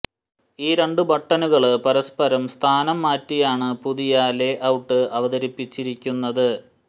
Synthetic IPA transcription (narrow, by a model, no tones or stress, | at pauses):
iːɾe̞ɳɖɨbʱɐʈːɐnuɣɐɭpɐɾɐspɐɾɐmst̪ʰaːnɐmːaːtːijaːɳɨpuðijaleʔɐwʈːɨʔɐʋɐðɐɾipːit͡ɕːiɾikʲːunːɐðɨ